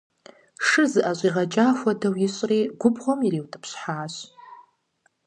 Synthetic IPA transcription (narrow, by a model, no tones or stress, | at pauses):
ʂɨzʔaɕʷʼiʁat͡ʃʼaxʷadawjɪɕʷʼriɡʷʊbʁomiriwtʼɨpʰɕħaːʃʷ